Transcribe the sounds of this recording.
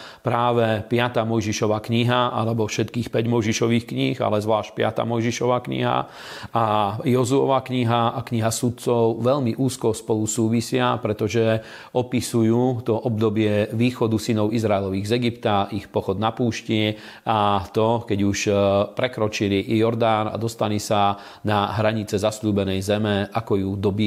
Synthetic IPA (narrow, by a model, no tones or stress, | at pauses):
pɾaːʋɛpɪat̪aːmɔjʒiʃɔʋaːkɲiɦaalɛbɔfʃɛt̪kiːxpɛɟmɔjʒiʃɔʋiːxkɲixa̰lɛzʋlaːʃc̚pɪa̰t̪a̰ːmɔjʒiʃɔʋaːkɲḭɦa̰ | ajɔzuɔʋaːkɲiɦaakɲiɦasut̪̚t͡sɔʊʋɛʎmiʔuːskɔspɔlusuːʋisɪapɾɛt̪ɔʒɛ | ɔpisujuːt̪ɔʔɔb̚d̪ɔbɪɛʋiːxɔd̪usinɔʊizɾaɛlɔʋiːɣzɛɡipt̪aixpɔxɔd̪napuːʃcɪɛ | at̪ɔkɛɟuʃpɾɛkɾɔt͡ʃiliʔjɔɾd̪aːna̰d̪ɔst̪alisa | naɦɾaɲit͡sɛzasluːbɛnɛjzɛmɛʔakɔjud̪ɔbi